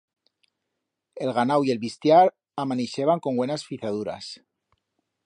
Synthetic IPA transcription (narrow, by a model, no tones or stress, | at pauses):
elɣanawie̞lβist̪jaɾ | amaniʃeβaŋko̞ŋɡwenasfiθaðuɾa̰s